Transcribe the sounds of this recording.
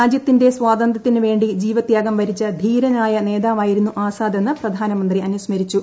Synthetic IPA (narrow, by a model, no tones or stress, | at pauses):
aːd͡ʑjɐt̪ːinde̞swaːd̪ɐnd̪ʱɐt̪ːinɨʋe̞ːɳɖid͡ʑiːʋɐt̪jaːɡɐmʋɐɾit͡ɕːɐd̪ʱiːɾɐnaːjɐne̞ːd̪aːʋmaːjiɾunːuʔaːsaːd̪ʱɐnːɐprɐd̪ʱaːnɐmɐnd̪riɐnusmɐɾit͡ɕːu